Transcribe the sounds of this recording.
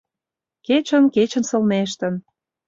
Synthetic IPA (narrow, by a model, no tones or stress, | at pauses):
ket͡ɕə̆nket͡ɕə̆nsə̆lneʃ̬t̪ə̆n